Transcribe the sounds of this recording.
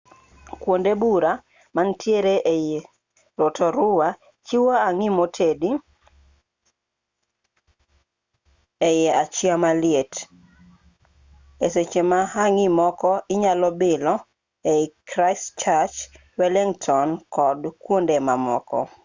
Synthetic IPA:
kwondebuɾa | mantʰjeɾeʔeje | ɾotɔɾʊwa | t͡ʃiwaaŋimotʰedi | ejɛat͡ʃiamalɪet | eset͡ʃemaɦaŋimɔkɔʔɪɲalɔbɪlɔ | ekɾaɪst͡ʃat͡ʃ | wɛliŋtʰɔnkʰɔdkwondemamɔ̰kɔ̰

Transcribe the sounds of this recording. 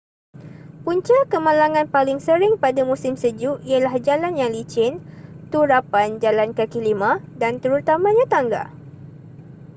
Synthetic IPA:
puɲt͡ʃakəmãlaŋãnpalɪŋsəɾɪŋpadamũsɪmsəd͡ʒuialahd͡ʒalanjaŋlit͡ʃɪnt̪uɾapand͡ʒalankəkilimã | dant̪əɾut̪amãɲãt̪aŋɡa̰

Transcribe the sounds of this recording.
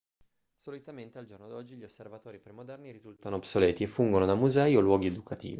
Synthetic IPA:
solit̪ament̪eald͡ʒornod̪ɔd͡ʒːiʎiosːervat̪oːɾipɾemod̪ɛrniɾizult̪anoːbsoleːt̪iefːuŋɡonod̪amuzɛiolwɔːɡied̪ukat̪ḭːvi

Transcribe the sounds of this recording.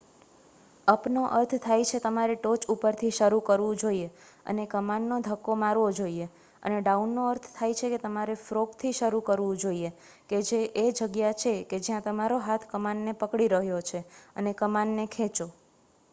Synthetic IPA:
əpnoʔə̰ɾt̪ʰt̪ʰajt͡ʃʰet̪əmaɾeʈot͡ʃupəɾt̪ʰiʃəɾukəɾʋũd͡ʒoie | ə̰nekəmanːod̪ʱəkːomaɾʋod͡ʒoie | ə̰neɖaunːoəɾt̪ʰt̪ʰajt͡ʃʰeket̪əmaɾefɾokt̪ʰiʃəɾukəɾʋũd͡ʒoie | ked͡ʒeʔed͡ʒəɡjat͡ʃʰeked͡ʒjãt̪əmaɾoɦat̪ʰkəmanːepəkɽiɾəɦjot͡ʃʰeə̰nekəmanːekʰẽt͡ʃo

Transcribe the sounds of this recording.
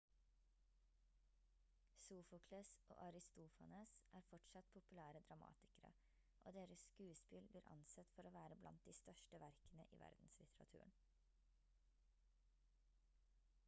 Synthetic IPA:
suːfʊkʰløːsʔo̰ːʔɑɾɪst̪uːfɑneːsʔæːɾfɔʈsɑt̪pʰʊpʉlæːɾəd̪ɾɑmɑ̰ːt̪ɪ̥kəɾə̰ | ʔo̰ːd̪eːɾəsskʉːspɪlbliːɾʔɑ̰nsɛt̪fɔɾoːʋæːɾəblʔɑ̰nt̪̚d̪iːst̪œʃʈəʋæɾknə̰ʔḭːʋæ̰ɾd̪n̩slɪt̪ʰɾɑ̰t̪ʰʉ̰ːəɳ

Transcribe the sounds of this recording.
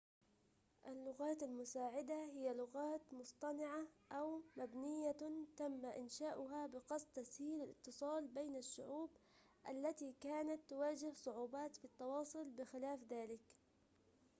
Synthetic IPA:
ʔalːʊɣaːt̪almʊsaːʕɪd̪ahɪjːalʊɣaːt̪mʊsˤt̪ˤɑnɪʕaʔawmabnɪjːat̪amːaʔɪnʃaːʔʊɦabɪqɑsˤt̪ashiːlalɪ̰t̪ːɨsˤɑːlbeːnaʃːʊʕuːb | ʔalːat̪ikaːnat̪ːʊwaːd͡ʒɪhsˤʊʕuːbaːt̪fit̪ːɑwɑːsˤʊlbɪxɪlaːfðaːlɪk

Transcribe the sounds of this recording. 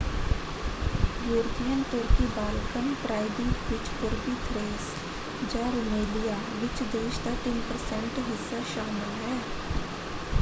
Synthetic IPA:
juːɾt̪ijənt̪ʊɾkibaːlkənpɾaːɪd̪ɪ̃ʋɪt͡ʃpʊɾbit̪ʰɾeːs | d͡ʒaːɾʊmeːlija | ʋɪt͡ʃd̪eːʃd̪aʈ̪ɪnpəɾsɛ̃ɳʈɦɪsːaʃaːmɪlɦɛː

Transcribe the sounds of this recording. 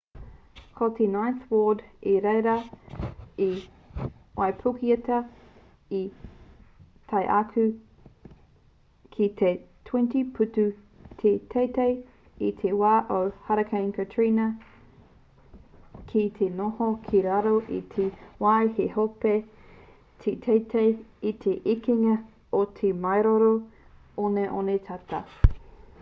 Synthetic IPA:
kʰotʰenajθwoːdeɾejɾɐ | i | wajpʰukiɐtɐ | i | t̪ʰɐjʔɐkʰʉ | kʰit̪ʰetʰwɛ̃ntipʰʉtʉ | tʰetʰejtej | it̪ʰewaːʔowhɐɾɐkʰɐjnkʰɐtʰɹinɐ | kʰit̪ʰenohokʰiɾaɾoʔḭt̪ʰewajhehope | t̪ʰet̪ʰejt̪ʰejit̪ʰeʔikiŋɐ | ot̪ʰemɐjɾoɾo | oneʔonet̪ʰɐt̪ɐ̰

